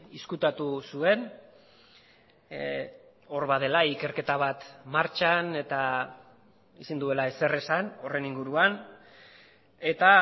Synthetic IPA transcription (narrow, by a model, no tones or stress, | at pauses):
iskut̪at̪usue̞n | o̞ɾβað̞e̞laike̞ɾke̞t̪aβ̞at̪maɾt͡ʃane̞t̪a | isind̪ue̞lae̞se̞re̞sano̞re̞niŋɡuɾuan | e̞t̪a